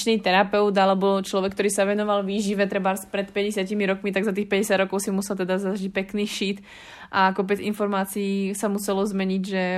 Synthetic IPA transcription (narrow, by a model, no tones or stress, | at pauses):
t͡ʃnit̪ɛɾapɛʊd̪alɛbɔt͡ʃlɔʋɛk̚t̪ɔɾiːsaʋɛnɔʋalʋiːʒiʋɛt̪ɾɛbaɾspɾɛt̪pɛɟɛsɪacimiɾɔkmit̪aɡzat̪̬iːxpɛɟɛsjad̪ɾɔkɔʊsimusɛlt̪ɛd̪azaʒic̚pɛkniːʃiːt̪ | ʔakɔp̬ɛd͡zḭnfɔɾmaːt͡siiːsamusɛlɔzmɛɲiɟʒɛ